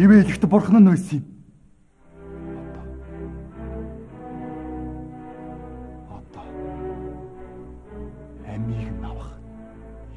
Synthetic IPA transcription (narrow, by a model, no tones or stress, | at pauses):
eweeɮɘ̆kt̪̆ʰpʊrχnə̆næːsiː | ɔt̪ɔ̥ː | ɔt̪ɔ̥ː | æmiːɣ̆nːawə̆χ